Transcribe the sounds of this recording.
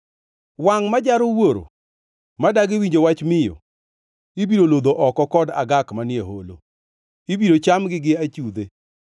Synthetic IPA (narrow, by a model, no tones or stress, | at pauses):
waŋmad͡ʒaɾowoɾo̰ | madaɡɪwiɲd͡ʒowat͡ʃmɪjɔ̰ | ibiɾolod̪oʔɔkɔkɔda̰ɡakmanɪjeɦolo̰ | ibiɾot͡ʃamɡɪɡɪat͡ʃud̪e